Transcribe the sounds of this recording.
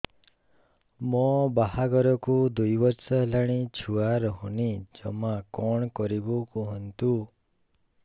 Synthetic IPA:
mɔbaɦaɡɔɾɔkud̪ujbɔɾsɔɦlaɽ̃it͡ʃʰuaɾɔɦɔnid͡ʒɔmakɔɳ̃kɔɾibukuɦɔnt̪u

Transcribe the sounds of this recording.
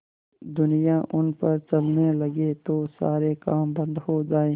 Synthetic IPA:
d̪ʊnijaʔʊnpɐɾt͡ʃɐlnelɐɡet̪oːsa̰ːɾekaːmbɐ̃nd̪hoːd͡ʒaːeː

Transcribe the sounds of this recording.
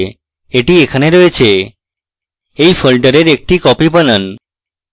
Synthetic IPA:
eʈiekʰəneɾoet͡ʃʰe | eifʰəlʈəɾeɾek̚ʈikɔpibənən

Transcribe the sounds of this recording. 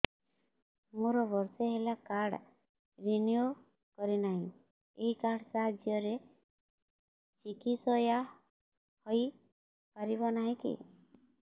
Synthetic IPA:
moɾɔbɔɾseɦelakaɽ | ɾinijo | kɔɾinaɦĩ | eɦikaɽsaɦad͡ʒjɔɾe | t͡ʃikisɔja | hɔj | paɾibɔnaɦĩkḭ

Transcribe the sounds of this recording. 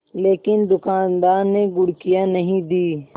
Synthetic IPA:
leːkɪnd̪ʊkaːnd̪aːɾneɡʊɽkijãnəɦĩd̪iː

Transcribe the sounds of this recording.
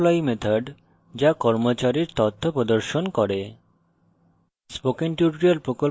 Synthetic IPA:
lɔimet̪ʰaɖ | d͡ʑakɔɾmot͡ɕaɾiɾt̪ɔt̪ʰːopɾod̪oɾʃonkɔɾe | spokeŋʈuʈɾialpɾokol

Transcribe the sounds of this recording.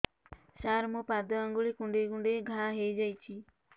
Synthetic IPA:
saːɾmũːpaːd̪ɔə̃ŋɡuɭikʊ̃ɳɖeːkʊ̃ɳɖeɡʱãɦeid͡ʒait͡ʃʰiː

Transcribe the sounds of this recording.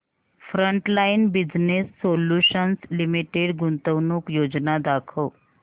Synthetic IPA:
fɾəɳʈlainbid͡ʑnesːoljuɕənslimiʈeɽɡunt̪əwnuːkjod͡znad̪akʰəw

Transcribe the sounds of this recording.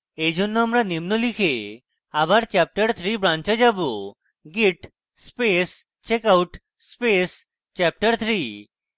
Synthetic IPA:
ed͡ʑʱonːoamɾanimnolikʰe | abaɾt͡ɕɛp̚ʈəɾt̪ʰɾibɾant͡ɕad͡ʑabo | ɡiʈ | spes | t͡ɕekawʈ | spes | t͡ɕɛp̚ʈəɾt̪ʰɾi

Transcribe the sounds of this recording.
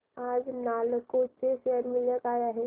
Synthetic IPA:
aːd͡ʒnaːlkot͡ʃeseəɾmɪljəkaːjaɦɛː

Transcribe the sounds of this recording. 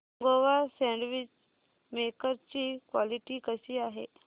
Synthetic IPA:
ɡoʋasɛ̃ɳɖʋit͡ɕ | mekəɾt͡ɕiːkʋaliʈiːkəsiːaɦḛ

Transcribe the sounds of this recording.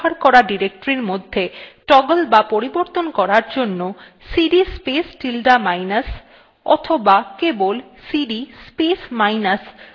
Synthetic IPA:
haɾkɔɾaɖiɾek̚ʈoɾiɾmod̪ʱːeʈɔɡolbapoɾiboɾt̪onkɔɾaɾd͡ʑonːo | siɖispesʈilɖamajnas | ɔ̰t̪ʰobakebolsiɖispesmajnas

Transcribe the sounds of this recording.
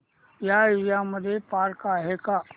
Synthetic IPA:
jaijaməd̪ʱepaːɾkaɦeka

